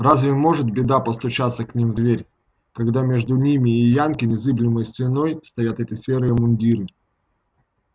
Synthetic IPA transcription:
razʲvʲɪmo̞ʐɨt̪̚bʲɪd̪apəst̪ʊt͡ɕat̪sːəknʲimd̪vʲeɾʲ | kɐɡd̪amʲe̞ʐd̪ʊnʲimʲɪːjankʲɪnʲɪzɨblʲɪməjsvʲɪnojst̪ɐjat̪ɛt̪ʲɪsʲeɾɨjɪmʊnʲdʲiɾɨ

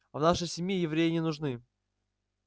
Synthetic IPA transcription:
ɐvnaʂɨjsʲɪmʲjijɪvɾʲejɪnʲɪnʊʐnɨ

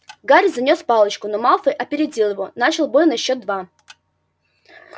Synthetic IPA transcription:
ɡaɾʲzɐnʲo̞spalˠət͡ɕkʊnomalˠfɨʔɐpʲɪɾʲɪd͡zʲilˠjɪvonat͡ɕɪlˠbo̞jʲnɐɕːo̞t̪̚d̪va

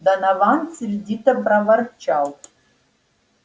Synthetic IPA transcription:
danavant͡sɪrditʰabravart͡ʃʰawtʼ

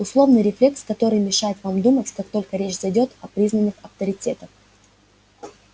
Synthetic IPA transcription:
ʊslˠo̞vnɨjɾʲɪflʲe̞kskɐt̪o̞ɾɨjmʲɪʂajɪt̪vamd̪umət͡sʲkak̚t̪o̞lʲkəɾʲet͡ɕzɐjdʲo̞t̪ɐpɾʲiznənːɨxɐft̪əɾʲɪtʲe̞t̪əx

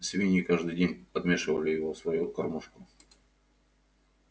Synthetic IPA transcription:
sʲvʲinʲikaʐd̪ɨjdʲenʲpɐd̪mʲeʂɨvəlʲɪjɪvosvɐjukɐrmuʂkʊ

